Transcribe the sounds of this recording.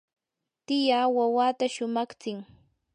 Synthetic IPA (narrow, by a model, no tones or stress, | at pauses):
t̪ɪjaːwawaːt̪aʃʊmɑχt͡sɪŋ